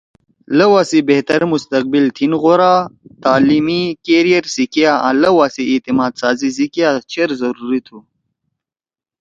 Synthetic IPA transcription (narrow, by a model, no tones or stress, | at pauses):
lɐwaːsibeht̪ɐɾmust̪ɐq̚bilt̪ʰinɣoɾaːt̪aːlimikeːɾijɐɾsikjaã̰ːlɐwaːsiːt̪imaːd̪saːzizikjaːt͡ɕʰeɾzɐɾuːɾit̪ʰu